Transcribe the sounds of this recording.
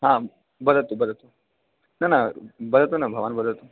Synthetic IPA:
ɦã | bəd̪ət̪ubəd̪ʱət̪o | nanabəd̪ət̪onabʱəʋanbəd̪ʱət̪u

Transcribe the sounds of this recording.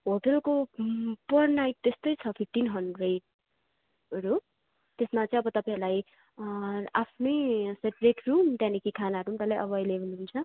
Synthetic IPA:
ɦoʈʌlkopʌrnajʈ̚t̪est̪ʌjt͡sʰʌpʰiʈːinɦʌnrejʈ | ʌɾu | t̪esmat͡sʌ̃j̃ʌbʌt̪ʌpãjɦɾulaj | apʰnʌjseʈrekɾrumt̪jãnikikʰanaɦʌɾumt̪ʌlajʔʌbʌʌjleɦunuɦunt͡sʰʌ

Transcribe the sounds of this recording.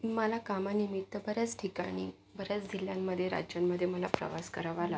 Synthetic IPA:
məlakamanimit̪ːəbəɾjat͡sʈʰikaɽ̃ḭː | bəɾjat͡sd̪iljamːəd̪ʱːjeɾa̰d͡ʑjamːəd̪ʱːjeməlapɾə̰ʋaskəɾaʋala

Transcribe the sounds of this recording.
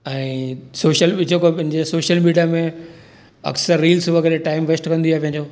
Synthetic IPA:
ɛ̃ːsoːʃəlɓɪd͡ʑʰokopɐ̃ɦɪ̃ɲd͡ʑesoːʃəlmiːɖijamẽ | ɐ̰ksəɾːiːlsuʋɐkʰəɾeʈaːɪmʋesʈkɐ̃nd̪iaːepɐ̃ɦɪ̃ɲd͡ʑoː

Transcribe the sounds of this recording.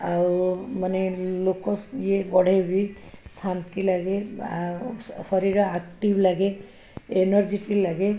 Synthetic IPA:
awmanelokɔsjebɔɽ̤ʱebi | sant̪ilaɡe | sɔɾiɾɔakʈiblaɡe | enɔɾd͡ʒiʈilaɡe

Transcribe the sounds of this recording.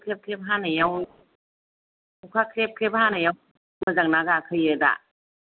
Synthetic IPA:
kʰɾep̚kʰɾep̚ɦaːnajaw | ɔkʰakʰɾep̚kʰep̚haːnaja | mɯzaŋ̚nakakʰɯjɯda̰

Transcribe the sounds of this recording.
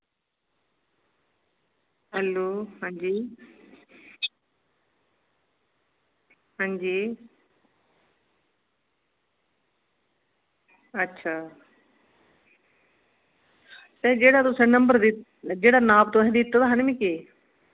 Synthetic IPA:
ɦɛloːhãːɲd͡ʒiː | ɦãːɲd͡ʒiː | ɐtːɕʰaː | sɛ̃d͡ʒeːɽat̪ʊsẽnɐ̃mbəɾd̪ɪ | d͡ʒeːɽanaːb̚t̪oɦɛ̃d̪ɪt̪ːot̪aɦanɪmĩke

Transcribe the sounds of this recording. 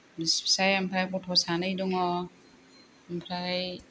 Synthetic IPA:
bispʰi̥sajampʰɾajpɔtʰɔsanɯjdɔŋɔ | mpʰɾaj

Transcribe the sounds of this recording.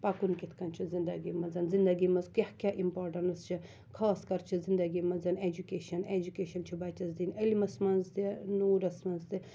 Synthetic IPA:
pakunkit̪ʰkɐnt͡ʃʰizind̪ɐɡimɐnzɐnzind̪ɐɡimɐzkehkʲaʔimpaːɾʈɐnɐst͡ʃʰi | kʰaːskɐɾt͡ʃʰizind̪ɐɡimɐnzɐned͡ʒukeːʃɐned͡ʒukeːʃɐnt͡ʃʰibɐːt̪ɐzd̪inɐlimɐsmɐnzd̪inuːɾɐsmɐnzd̪i

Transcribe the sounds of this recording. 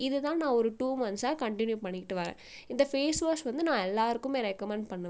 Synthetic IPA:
ɪðɯt̪ãːnãːɔɾɯʈuːmɐnsaːkɐɳʈɪnjupɐɳːɪkːɪʈːɯʋaːɾḛ̃ːɪnd̪ɐfeːsʋaːsʋɐnd̪ɯnãːɛlːaːɾɯkːɯmeːɾɛkɐmɛɳpɐɳːɯ

